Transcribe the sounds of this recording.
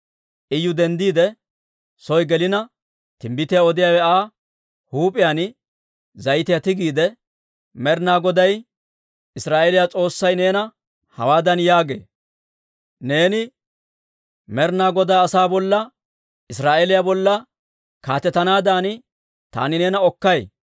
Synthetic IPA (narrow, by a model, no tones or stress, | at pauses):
ʔɪjːʊd̪ɛnd̪iːd̪ɛ | sɔjɡɛlɪnɐ | t̪ɪmbɪt̪ɪjaɔd̪ɪjaːwɛaː | huːpʼɪjaːn | zɐjt̪ɪjat̪ɪɡiːd̪ɛ | mɛɾnaːɡɔd̪ɐj | ɪsɾaːʔelɪjat͡sʼo̞ːsːɐjne̞ːnɐ | hɐ̰waːd̪ɐnjaːɡḛː | ne̞ːnɪ | mɛɾnaːɡɔd̪aːɐsaːbɔlːɐ | ɪsɾaːʔelɪjaːbɔlːɐ | kaːt̪ɛt̪ːɐnaːd̪an | t̪a̰ːnɪne̞ːnɐɔkːɐj